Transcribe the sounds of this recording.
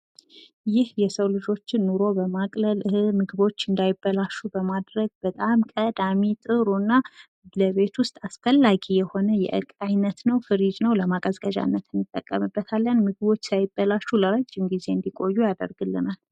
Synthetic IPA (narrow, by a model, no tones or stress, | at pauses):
jɪhjɛsəwlɨd͡ʒo̞t͡ʃːɪnːuɾo̞bəmakʼləlʔɨhɨmɨɡɨbo̞t͡ʃːɨnd̪ajɪbːəlaʃubəmad̪ɾəɡ̚b̥ət̪ʼamkʼəd̪amit̪ʼɨɾunːa | ləβe̞t̪ʰwʊst̪ʼasfəlːaɡijɛho̞nəjɛ̰ʔɨ̰kʼajnət̪nəwfɨɾid͡ʒnəwləmakʼəzkʼəd͡ʒa̰nːət̪ʰɨnːɨt̪ʼːəkʼːəmɨbːət̪ʰalːənmɨɡɨβo̞t͡ʃːsajɪbːəlaʃuləɾəd͡ʒːɪmɡize̞ɨnd̪ikʼo̞jːujad̪ə̰ɾɡɨlːɨ̰nal